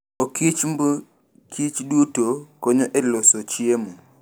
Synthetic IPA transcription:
okit͡ʃmb | kʰit͡ʃdutokoɲoʔɛlosot͡ʃiemu

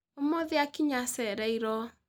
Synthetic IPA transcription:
omoðiakiɲasɛɾɛiɾɔ

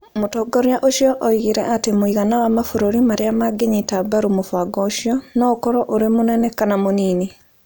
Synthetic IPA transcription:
motɔɡɔɾjaʔoʃjɔʔɔiɣeɾɛ̰ʔatemoiɣanawamafoɾoɾimaɾeamaɡeɲitabaɾumofaɡɔoʃjɔnɔkɔɾɔʔoɾemonɛnɛkanamoniːni

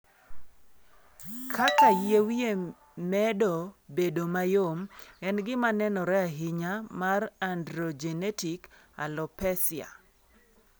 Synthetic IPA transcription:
kʰakajewje | mɛdɔbedomajomɛnɡɪmanɛnɔɾɛaɦɪɲamarandɾɔd͡ʒɛnɛtik | a̰lɔpɛsɪa̰

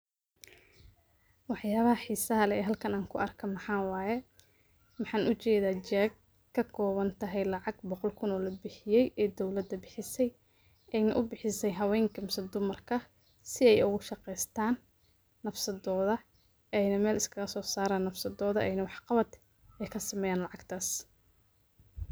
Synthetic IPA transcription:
wɑħjaːβɐhɐħiːsɐɦɐlɛɛːɦɐlkʰɐnaːŋkʰʊɐrkʰɐmɑħɑːwɑːjɛ | mɑħɑːnʊt͡ʃɛːðaːt͡ʃɛːɡ̚ | kʰːɐkʰɔːβɐnt̪ʰɐɦɛjlɑʕɑɡ̚bɔqɔlkʰʊnɔːlɐbɪħɪjɛjɛːd̪ɔwlɐd̪ːɐbɪħɪsɛj | ɛjnɐ̰ʔʊbɪħɪsɛjɦɐwɛːŋkʰɐmɪsɐd̪ʊmɐrkʰɐ | sɪɛjʊɣʊʃɑqɛjst̪ʰaːnː | ɐfsɐðɔːðɐ | ɛjnɐmɛːlɪskʰɐɣɐsɔːsaːɾaːnːɐfsɐðɔːðɐʔɛjnɐwɑħqɑβɐd̪ | ɛkʰɐsɐmɛːjaːnlɑʕɑɡt̪ʰaːs

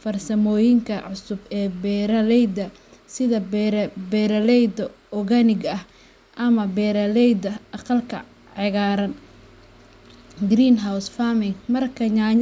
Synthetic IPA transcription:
fɐrsɐmɔːjɪŋkʰɐʕʊsʊbɛːbɛːɾɐlɛjd̪ɐ | sɪðɐbɛːɾɐlɛjd̪ɐ | ɔɣɐnɪɡɐh | ʔɐmɐbɛːɾɐlɛjd̪ɐʔɑqɑlkʰɐ̰ | ʕɪɣaːɾɐn | ɡɾiːnɦawsfamɪŋmɐrkʰɐɲaː

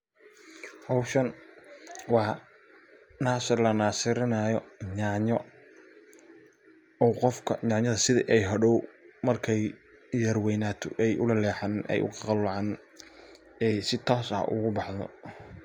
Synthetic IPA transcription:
hɔwʃɐn | wɑː | naːsɪrlɐnaːsɪɾɪnɐjɔɲaʕɲɔ | ɔqɔfkʰɐɲɑʕɲɐðɐsɪðiʔɛjɦɐɽɔwmɐrkʰɛj | jɐrwɛnaːt̪ʰɔ̰ʔɛjʔʊlɐlɛːħɑnnɛ̰jʔʊ̰kɑqɑlwɑʕan | ɛjsɪt̪ʰɔːsɐ̰ʔʊ̰ɣʊbɑħðɔ̰

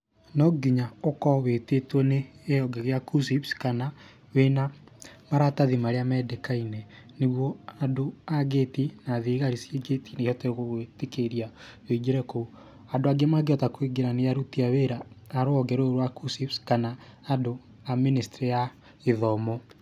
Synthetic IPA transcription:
nɔɡiɲaokɔwetetwɔneːjɔɡɛɣeakusipskana | wena | maɾataðimaɾeamɛdekainɛ | neɣwɔadoaɡetinaðeɣaɾisjeɡetʰineihɔteɣoɣwetekeɾiaweɡeɾɛko | adoaɡemaɡeɔtakwiɡeɾanejaɾutiaweɾaːɾoɔɡɛɾoɾowakusipskanaːdo | aministeɾeja | eðɔmɔ

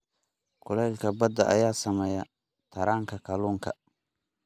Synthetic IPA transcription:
kʰʊlɛjlkʰɐbɐd̪ɐʔɐ̰jaːsɐmɛːja | t̪ʰɐɾaːŋkʰɐkʰɐluːŋkʰɐ̰

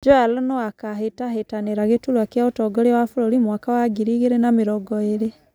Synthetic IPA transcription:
d͡ʒoalonoakaɦetahetaneɾaɣetulwakjaotɔɡɔɾewafulolimwakawaɡiɾiɣeɾenamiɾɔɡɔeɾe

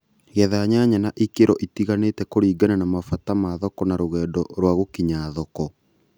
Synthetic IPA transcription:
ɛðaɲaɲanaʔikeɾɔʔitiɣaneːtɛkoɾiːɡananamafatamaðɔkɔnaɾoɣɛːdɔɾwaɣokiɲaðɔkɔ

